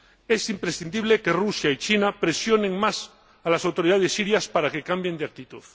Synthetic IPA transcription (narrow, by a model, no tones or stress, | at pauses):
esimpɾesθind̪iβ̞leke̞rusjait͡ʃinapɾesjo̞neŋmas | alasawt̪o̞ɾiðað̞esːiɾjaspaɾake̞kambjend̪eak̚t̪it̪uθ